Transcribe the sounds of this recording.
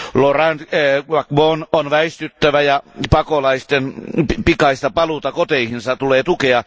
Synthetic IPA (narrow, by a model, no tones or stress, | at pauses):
lorænt̪ːʋɑkbononʋæist̪yt̪ːæʋæjɑpɑkolɑist̪enppikɑist̪ɑpɑlut̪ɑkot̪eihinsɑt̪uleːt̪ukeɑ